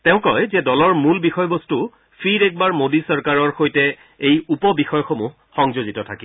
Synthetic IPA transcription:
tɛʊ̃kɔjzɛdɔlɔɹmulbixɔjbostu | pʰiɹɛk̚baɹmodisɔɹkaɹɔɹxojtɛ | ejupɔbixɔjɔxomu | xɔŋzozitɔtʰaki

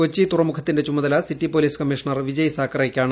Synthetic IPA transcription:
kot͡ɕːit̪urɐmukʰɐt̪ːindet͡ɕumɐðɐlɐsitːipoliːskɐmːiʂɐɳɐrʋid͡ʑɐjɐsaːkːɐreːkʲːaːɳɨ

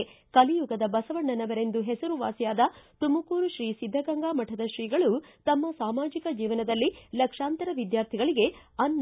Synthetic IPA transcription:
kɐlijuɡɐd̪ɐbɐsɐʋɐɳːɐnɐʋɐɾe̞nd̪uɦɛsɐɾuʋa̰ːsjaːd̪ɐt̪umɐkuːɾuʃɾiːsid̪ʱːɐɡɐŋɡaːmɐʈʰɐd̪ɐʃɾiːɡɐɭut̪ɐmːɐsaːmaːd͡ʒikɐd͡ʒiːʋɐnɐd̪ɐlːilɐkʂaːnt̪ɐɾɐʋid̪jaːɾt̪ʰiɡɐɭiɡe̞ɐnː

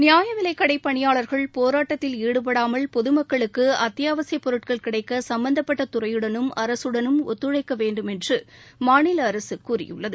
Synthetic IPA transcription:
nɪjaːjɐʋɪlɐɪkːɐɽɐɪpːɐɳɪjaːɭɐɾɣɐɭpoːɾaːʈːɐt̪ːɪliːɽɯp̬ɐɽaːmɐɭpɔðɯmɐkːɐɭɯkːɯɐt̪ːɪjaːʋɐsɪjɐpːɔɾɯʈ̚kɐɭkɪɽɐɪkːɐsɐmbɐnd̪ɐpːɐʈːɐt̪ʊrɐjɯɽɐnɯmɐɾɐsɯɽɐnɯmɔ̰t̪ːɯɻɐɪkːɐʋeːɳɖɯmɛndrɯmaːnɪlɐːɾɐsɯkːuːrɪ̰jɯ̰ɭːɐðɯ

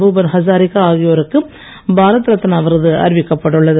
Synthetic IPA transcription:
buːbɐnhɐsaːɾɪkːaaːɣɪjoːɾɯkːɯ | baːɾɐt̪ːɾɐt̪ːɐnɐʋɐɾɐðɯɐ̰ɾɪʋɪkːɐpːɐʈːɯɭːɐðɯ

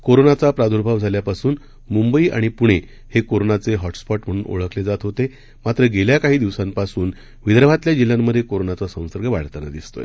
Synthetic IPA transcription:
koɾonat͡sapɾad̪ʱuɾbʱaʋd͡zʱaljapasuːn | mumbəiːʔa̰ɽ̃ipuɽ̃e | hekoɾonat͡seɦɔʈspɔʈm̤əɽ̃uːno̰ɭəkled͡zat̪ɦot̪e | mat̪ɾəɡeljakaɦiːd̪iʋsampasuːn | ʋid̪ɾbʱat̪ljad͡ʑiljamːəd̪ʱːjekoɾonat͡sasə̃w̃səɾɡəʋa̰ɭ̤t̪ana̰d̪ist̪o̰j

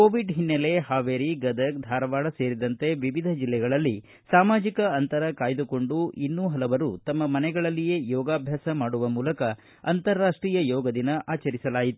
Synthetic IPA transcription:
koːʋiɖɦinːɐle̞ɦaːʋeːɾiɡɐd̪ɐk̚d̪ʱaːɾɐʋaːɭɐseːɾid̪ɐnt̪e̞ʋiʋid̪ʱɐd͡ʒilːɛɡɐɭɐlːi | saːmaːd͡ʒikɐɐnt̪ɐɾɐkaːjd̪uko̞ɳɖuinːuɦɐlɐʋɐɾut̪ɐmːɐmɐnɛɡɐɭɐlːije̞jɔːɡaːbʱjaːsɐmaːɽuʋɐmuːlɐkɐ | ɐ̰nt̪ɐɾːaːʂʈɾiːjɐjɔːɡɐd̪inɐʔaːt͡ʃɐɾisɐlaːjit̪u̥

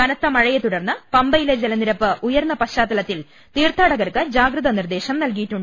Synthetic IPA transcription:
kɐnɐt̪ːɐmɐɻɐjet̪uɽɐrnːɐpɐmbɐjiled͡ʑelɐniɾɐpːɨʔujɐɾnːɐpɐɕaːt̪ːɐlɐt̪ːil | t̪iːrt̪ʰaːɽɐɣɐrkɨd͡ʑaːɡɾɨðɐnird̪e̞ːɕɐmnɐlkijiʈːuɳɖɨ

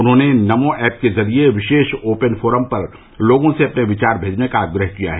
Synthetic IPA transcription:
ʊnɦõːnenɐmõʔɛːp̚kezɐɾieʋɪʃeːʃoːpənfʰoːɾəmpɐɾ | loːɡõseɐpneʋɪt͡ʃaːɾbʱeːd͡ʒnekaːɡɾəɦkija̰ɦɛː

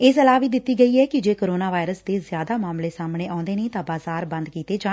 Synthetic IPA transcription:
ɪsəlaːʋiːd̪ɪt̪ːiːɡəiːɛːkɪd͡ʒeːkoːɾoːnaːʋaːɪɾəsd̪eːzjaːd̪aːmaːmleːsaːmɽ̃eːãːnd̪eːneːt̪ãːbaːzaːɾbə̃nd̪kiːt̪eːd͡ʒaː

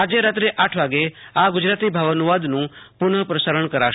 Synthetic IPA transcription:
ad͡ʒeɾat̪ɾeʔaʈʰʋaɡeaɡʊd͡ʒɾat̪ibʱaʋənuʋad̪nũpʊɳəpɾəsaɾəɳkəɾaʃ

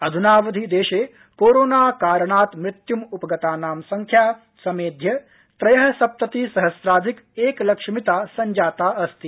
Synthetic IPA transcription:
ɐd̪ʱunaːʋɐd̪ʱid̪eːʃeː | koːɾoːnaːkaːɾɐɳaːt̪mɾɪt̪jumupɐɡɐt̪aːnaːmsɐŋkʰjaː | sɐmeːd̪ʱjɐ | t̪ɾɐjɐɦɐsɐp̚t̪ɐt̪iːsɐɦɐsɾaːd̪ʱik | eːklɐkʂmit̪aːsɐɲd͡ʒaːt̪aːɐst̪i

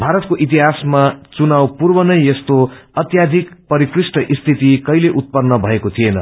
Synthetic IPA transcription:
bʱaɾʌt̪koʔit̪̬iɦasmat͡sunawpurbʌnʌjest̪oʌt̪jad̪ʱikpʌɾikrisʈʌʔist̪ʰit̪ikʌjleʔut̪̚pʌnːʌbʱʌekot̪ʰienʌ̰

